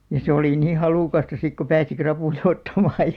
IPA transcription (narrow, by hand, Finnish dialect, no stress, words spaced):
jɑ se oliˑ niː hɑluˑkɑstɑ sik ko pæːsi krɑpuˑjɑ otːɑmɑːj